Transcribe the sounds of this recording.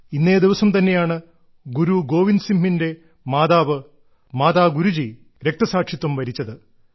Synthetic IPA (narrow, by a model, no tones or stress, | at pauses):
inːe̞ːd̪iʋɐsɐmt̪ɐnːe̞jaːɳɨ | ɡuɾuɡo̞ːʋinsimɦinde̞ | maːðaːʋɨ | maːðaːɡuɾud͡ʑi | ɾe̞k̚t̪ɐsaːʈʂit̪ːɐmʋɐɾit͡ɕːɐðɨ